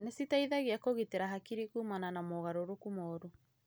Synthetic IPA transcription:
nesitaiðaɣiakoɣiteɾaɦakiɾikumananamɔɣaɾoɾokumɔːɾu

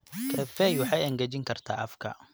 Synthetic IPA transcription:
kʰɛfɛjwɑħɑjɐŋɡɐt͡ʃɪŋkʰɐrt̪ʰa̰ːʔɐfkʰɐ̰

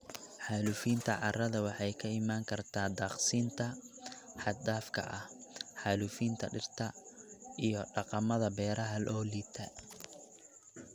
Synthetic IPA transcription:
ħaːlʊfiːnt̪ʰɐʕɑrɐðɐwɑħɑjkʰɐɪmaːŋkʰɐrt̪ʰaːd̪ɑːqsiːnt̪ʰɐħɑd̪aːfkʰɐ̰ʔɐhħaːlʊfiːnt̪ʰɐ̰ɖɪrt̪ʰɐʔijɞɖɑqɑmɐðɐbɛːɾɐɦɐlʔɔːliːt̪ʰɐ

